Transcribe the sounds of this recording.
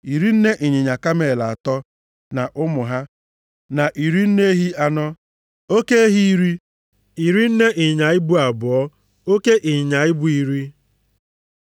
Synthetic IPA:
i˨ɾi˦n̩˦ne˦ʔi˨ɲɪ˨ɲa˨ka˦me˨la˨a˨tɔ˦ | na˨ʔʊ˦mʊ˨ɦa˦ | na˨ʔi˨ɾi˦n̩˦ne˦ɦi˦a˦nɔ˦ | o˦ke˦e˦ɦi˦i˦ɾi˦ | i˨ɾi˦n̩˦ne˦ʔɪ˨ɲa˨ɪ˦bu˦a˨bʊ˨ɔ˦ | o˦ke˦ʔi˨ɲa˨ɪ˦bʊ˦i˦ɾi˦

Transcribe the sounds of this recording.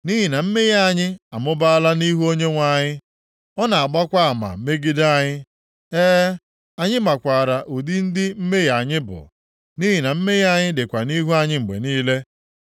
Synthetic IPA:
ni˦ɦi˨na˨m̩˦me˦ja˦˨ɲɪ˦a˨mʊ˦ba˦a˦la˦ni˦ɦu˦o˦ɲe˦ŋʷa˨ɲɪ˦ | ɔ˦na˨a˨ɡ͡ba˦kʷa˦a˨ma̰˨˦me˦ɡi˦da˦˨ɲɪ˦ | eː˦ | a˨ɲɪ˦ma˨kʷa˨ɾa˨ʔu˨di˦n̩˦dɪ˦m̩˦me˦ja˨ɲɪ˦bʊ̰˨ | ni˦ɦi˨na˨m̩˦me˦ja˦˨ɲɪ˦dɪ˨kʷa˨ni˦ɦu˦a˨ɲɪ˦ŋ͡m̩˨ɡ͡bḛ˨niː˦le˦

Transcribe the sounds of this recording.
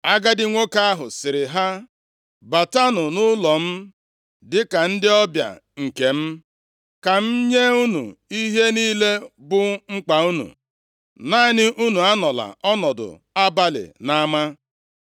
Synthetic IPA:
a˦ɡa˦dɪ˦ŋʷo˦ka˦a˦ɦʊ̰˨sɪ˨ɾɪ˨ɦa˦ | ba˨ta˦nʊ˨nʊ˦lɔ˨m̩˦ | dɪ˦ka˨n̩˦dɪ˦ɔ˦bja̰˨ŋ̩˨ke˨m̩˦ | ka˨m̩˦ɲe˦u˦nṵ˨i˦ɦe˦niː˦le˦bʊ˦ŋ͡m̩˦k͡pa˨u˦nṵ˨ | na˦ɪ˦nɪ˦ʔu˦nu˨a˦nɔ˨la̰˨ɔ˦nɔ˨dʊ̰˨ | a˦ba˦lɪ̰˨na˦ma˦

